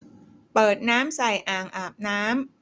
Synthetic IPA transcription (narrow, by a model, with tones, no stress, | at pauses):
pɤː˨˩t̪̚naː˦˥msa˨˩jʔaː˨˩ŋʔaː˨˩p̚naː˦˥m